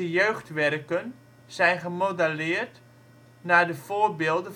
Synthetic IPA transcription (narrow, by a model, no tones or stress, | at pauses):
əjøːχtʋɛrkən | z̥ɛjnχəmodalɪːərt | naːdəv̥oːərbɪːlˠdə